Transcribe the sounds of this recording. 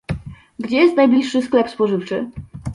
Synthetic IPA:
ɡd͡ʑɛjɛst̪najblʲiʂːɘsklɛpspɔʐɘft͡ʂɘ

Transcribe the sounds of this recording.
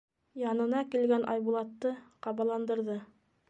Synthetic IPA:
jɑnɤ̆nɑkilɡænʔɑ̰jβulˠɑt̪ːɤqɑβɑlˠɑnd̪ɤ̆ɾðɤ

